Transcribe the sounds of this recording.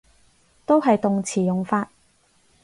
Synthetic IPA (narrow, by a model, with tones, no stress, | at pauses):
t̪o˥wɦɐ˨jt̪ʊ˨ŋt͡sʰiː˨˩jʊ˨˩ŋfaː˧t̚